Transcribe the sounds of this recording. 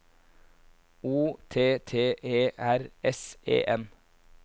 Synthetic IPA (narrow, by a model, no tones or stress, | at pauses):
uːt̪ʰeːt̪ʰeːʔeːʔæɾɛsḛːʔɛm